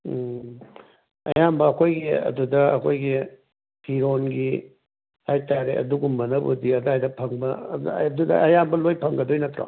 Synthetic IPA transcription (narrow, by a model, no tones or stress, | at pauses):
ɐ̰jambɐːkʰojɡiɐ̰dudɐɐkʰojɡi | pʰiɾonɡi | ajtaɾeɐ̰duɡumːɐnɐbṵdiɐdajdɐpʰɐŋbɐdudɐ̰ʔɐjambɐlojpʰɐŋɡɐdojnɐt̪ɾa̰